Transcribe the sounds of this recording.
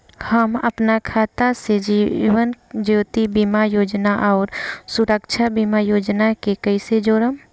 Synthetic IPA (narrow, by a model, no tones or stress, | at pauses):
həmə̰pnakʰaːt̪ased͡ʒiʋənd͡ʒoːt̪ibimajoːd͡ʒnaʔɔːɾsuɾəkt͡ʃʰabimajoːd͡ʒnakekəɪsed͡ʒoːɾəm